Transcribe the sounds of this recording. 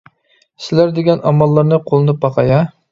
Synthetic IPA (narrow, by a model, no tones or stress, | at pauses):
sɪlæɾd̪eɡʲɛnɑmːɑlˠːɑɾnɨqʰolˠɨnɨp̚bɑqʰɑjɑ